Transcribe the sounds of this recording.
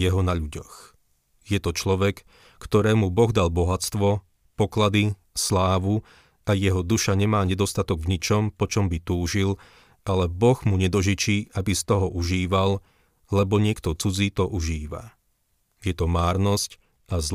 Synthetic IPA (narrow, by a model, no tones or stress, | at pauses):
jɛɦɔnaʎuɟɔx | jɛt̪ɔt͡ʃlɔʋɛk | kt̪ɔɾɛːmubɔɣd̪albɔɦat͡st̪ʋɔ | pɔklad̪i | slaːʋu | ajɛɦɔd̪uʃaɲɛmaːɲɛd̪ɔst̪at̪ɔɡvɲit͡ʃɔmpɔt͡ʃɔmbit̪uːʒil | ʔalɛbɔɣmuɲɛd̪ɔʒit͡ʃiːʔabist̪ɔɦɔʔuʒiːʋal | lɛbɔɲɪɛkt̪ɔt͡sud͡ziːt̪ɔʔuʒiːʋa̰ | jɛt̪ɔmaːɾnɔsc | ʔazl